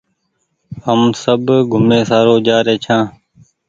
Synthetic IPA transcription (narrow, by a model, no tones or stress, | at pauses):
həmsəbɡʱʊmeːsaːɾoːd͡ʒaːɾeːt͡ʃʰãː